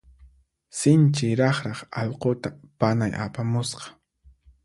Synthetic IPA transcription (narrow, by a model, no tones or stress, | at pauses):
sɪnt͡ʃɪjɾɑχɾɑχɑ̰ʎqot̪apanajʔa̰pamʊsqɑ̥